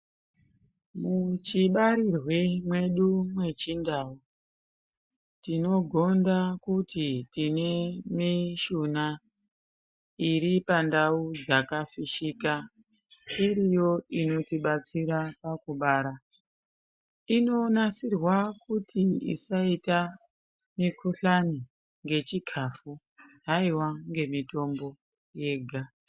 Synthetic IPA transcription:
mut͡ʃiɓaɾirwemwe̞ɗumwe̞t͡ʃindau | tino̞ɡʱo̞ndakutitine̞miʃuna | iɾipandaud͡zakafiʃika | iɾijo̞ino̞tiɓat͡siɾapakuɓaːɾa | ino̞nasirwakutʰiḭsaita | mikʰuɬani | ŋɡe̞t͡ʃikʰafu | ɦaiwaŋɡe̞mito̞mbo̞ | je̞ːɡʱa

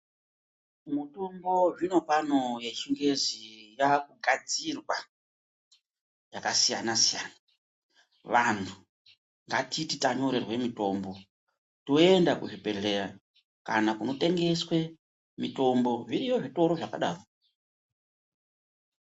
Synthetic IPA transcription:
mutumbo̞ʐino̞pano̞jeʃiŋɡe̞zijakuɡʱad͡zirwa | jakasija̰nasijaːna | ʋantʰu | ŋɡatititaɲo̞ɾe̞rwe̞mito̞mbo̞ | toe̞ndakuʐibe̞ɮe̞ɾa | kanakuno̞te̞ŋɡe̞swe̞ | mito̞mbo̞ʐiɾijo̞ʐito̞ɾo̞ʐaka̰ɗa̰ːro

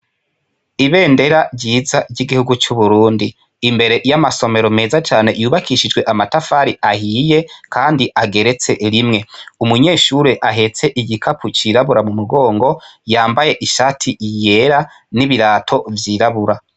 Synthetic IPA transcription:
iβe̞ːnde̞ɾaɾɟiːzaɾɟiɡihuɡut͡ʃuβuɾuːndiː | mbe̞ɾe̞ʔjamaso̞me̞ɾo̞me̞ːzat͡ʃaːne̞juːβakʰiʃid͡ʒɡwe̞ʔamatafaɾiahiːje̞kʰaːndiʔaɡe̞ɾe̞t͡se̞ɾimŋe̞umuɲe̞ːʃuɾeʔaɦe̞t͡se̞ʔiɟikʰapʰut͡ʃiɾaβuɾamumuɡo̞ːŋɡo̞jaːmbaje̞ʔiʃaːtʰiije̞ɾa | niβiɾaːtʰo̞vjiːɾaβuɾa

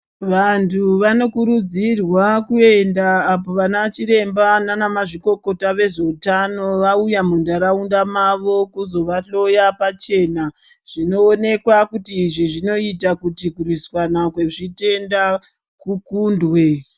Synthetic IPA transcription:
ʋantʰuʋano̞kuɾud͡zirwakue̞ndaːpo̞ʋanat͡ʃiɾe̞mbananamaʐiko̞ko̞taʋe̞ʐe̞utano̞ʋaujamundaɾaundamaʋo̞kuzo̞ʋaɬo̞japat͡ʃe̞na | ʐ̥ino̞ːne̞kwakutiːʐiʐino̞itakutikuriswanakwe̞ʐite̞nda | kukuːndwe̞

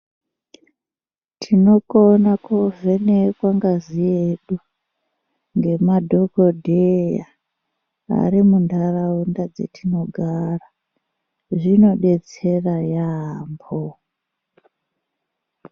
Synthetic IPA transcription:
tʰino̞konakovenekwaŋɡazieɗu | ŋɡe̞madʱokodʱeja̰ | a̰rimundʱaraundad͡zḛtʰino̞ɡʱara | ʐino̞ɓe̞t͡se̞rajambo

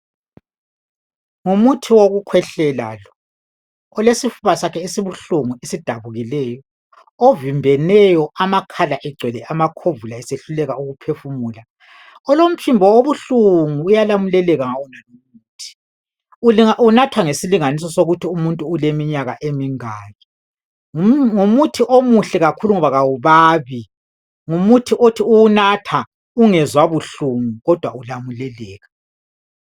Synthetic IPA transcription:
ŋumutʰiwoɣukʰwɛɬɛla̰ːlɔ | ɔlesifuβasakʰɛisiβuɬuŋuisid̥ʱaβuɣilɛːjɔ | ovimbʱɛnɛjɔamakʰalaʔɛɡ͡ǀʱwɛlɛʔamakʰovulaɛseɬulɛɣauɣupʰefumuːla | ɔlom̩t͡ʃʰimbʱɔoβuɬuŋuːjalamulɛlɛɣaŋawɔnanomuːtʰi̥ | ulaunatʰwaŋesiliŋanis̬ɔsoɣutʰiumuntʼuːlemiɲaɣa̰ʔemiŋaːɣi | uŋumutʰiʔomuɬɛɣakʰuluŋɔβaɣawuβaːβi | ŋumutʰiʔotʰiuwunatʰa | uŋɛzwaβuɬuŋuɣɔd̥ʱwa̰ulamulɛlɛːɣa

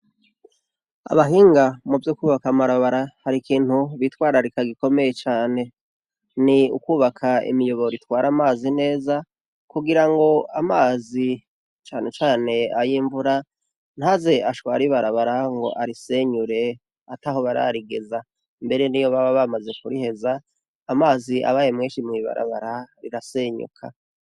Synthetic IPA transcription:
a̰βaɦiːŋɡamuvjokuːβakamaɾaβaɾahaɾikiːn̥huβitwaːɾaɾikaɡiko̞me̞je̞t͡ʃaːne̞ | niṵkuːβakʰaḭmijo̞βo̞ɾitwaːɾamaːzine̞ːza | kuɡiɾaŋɡo̞amaːzi | t͡ʃaːne̞t͡ʃaːne̞ajiːɱvuɾa | n̥haze̞ʔaʃwa̰ːɾiβaɾaβaɾaŋɡo̞̰ʔaɾiseɲuɾe̞ | ataɦo̞βaɾa̰ɾiɡe̞za | mbe̞ɾe̞nijoβaβaβamaze̞kuɾihe̞zaː | maːziʔa̰βajemŋeːʃimŋiːβa̰ɾa̰βa̰ɾaɾiɾaseːɲṵkʰa

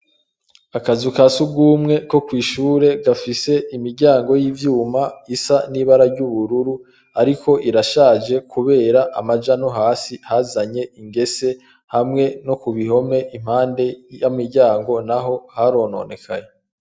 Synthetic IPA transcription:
akazukasubɡuːmŋe̞ko̞kwiːʃuːɾe̞ɡafise̞ʔimiɾɟaːŋɡo̞jivjuːmaisaniβaɾaɾɟuβuɾuɾu | aɾiko̞ʔiɾaʃaːd͡ʒe̞kʰuβe̞ːɾaʔamad͡ʒanoɦaːsihazaɲe̞iŋɡe̞se̞ | hamŋe̞no̞kuβiɦo̞me̞ʔim̥haːnde̞jamiɾɟaːŋɡo̞naɦo̞haɾo̞ːno̞̰ne̞kʰaje

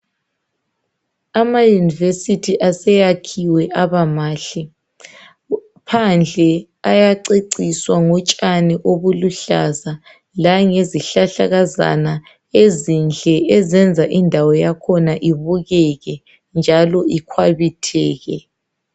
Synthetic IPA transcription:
amajunivesitʰiʔasɛjakʰiwɛʔaβamaːɬi | pʰand͡ɮʱɛ | ajaǀeǀiswaŋɔt͡ʃʼaniʔoβuluɬaza | laŋeziɬaɬaɣaza̰na | ezind͡ɮʱɛʔɛzɛnd͡zʱaʔindʱawɔjakʰɔnaʔiβuɣɛɣɛ | nd͡ʒʱalɔikʰwaβitʰɛːɣɛ

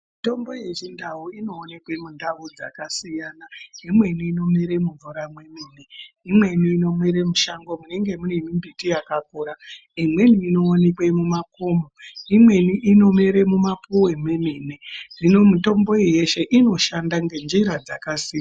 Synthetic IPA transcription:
mito̞mbo̞je̞ʐindauino̞ːne̞kwe̞mundaud͡za̰kasijaːnaimwe̞niːno̞meɾe̞muɱvuɾamwe̞meːne̞imwe̞niːno̞mweɾemuʃaŋɡo̞mune̞ŋɡe̞munemimbitijakakuːɾa | imwe̞niːno̞ːnekwemumako̞ːmoimwe̞niʔino̞meɾe̞mumapuwe̞mwe̞meːne̞rino̞muto̞mbo̞ije̞ʃe̞ʔino̞ʃandaŋɡe̞nd͡ʒiɾad͡zakasia

